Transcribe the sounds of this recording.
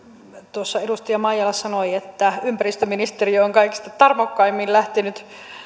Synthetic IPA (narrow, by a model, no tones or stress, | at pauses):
t̪osːɑedust̪iɑmɑijɑlːɑssɑnoiet̪ːæympærist̪øminist̪eriooŋkɑiki̥st̪ɑt̪ɑrmokːɑimːillæht̪enyt̪